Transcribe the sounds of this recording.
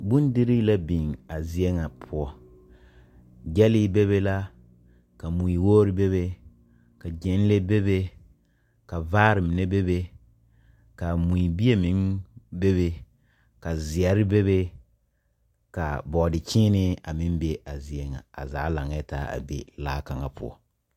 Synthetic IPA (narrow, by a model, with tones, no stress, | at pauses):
bu˦n˦dɪ˦ɾi˦la˦bi˨ŋa˨zi˦ɛ˦ŋa˨pʰʊ˦ɔ˦ | ɡɛ˦lɪ˦be˦be˦la˦ | ka˨mu˨i˨woː˦ɾi˦be˦βe˦ | ka˨d͡ʒɛ˨˦n˦le˦be˦be˦ | ka˨vaː˦ɾɪ˨mɪ˨nɛ˦be˦be˦ | ka˨mu˨i˨bi˦e˦mɪ˨˦ŋbe˦βe˦ | ka˨zɪ˨ɛ˨ɾɪ˦be˦be˦ | ka˨bɔ˨dɪ˨t͡ʃɪ̃ː˦nɪ˦a˨mɪ˦m˦be˦a˨zi˦ɛ˦ŋa̰˨a̰˨za̰ː˨˦la˨ŋ˦ɛ˦ta̰ː˦a̰˨bḛ˦laː˦ka˨ŋa˨pʰʊ̰˦ɔ̰˨